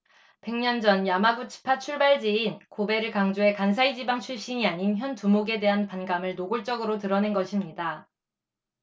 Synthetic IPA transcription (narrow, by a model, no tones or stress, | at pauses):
pe̞ŋɲʌnd͡ʑʌnjamaɡut͡ɕʰi̥pʰat͡ɕʰuɭbaɭd͡ʑeinkobe̞ɾɯɭkaŋd͡ʑoe̞kans̬ʰaid͡ʑibaŋt͡ɕʰuɭɕ͈iɲiaɲinçjʌntumoɡe̞de̞ɦanpanɡamɯɭnoɡuɭt͡ɕ͈ʌɡɯɾotɯɾʌne̞nɡʌɕʰimɲida